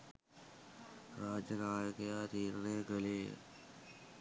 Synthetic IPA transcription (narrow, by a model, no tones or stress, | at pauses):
ɾaːd͡ʒənaːjkɐjaːt̪iːɾneːɡəlḛː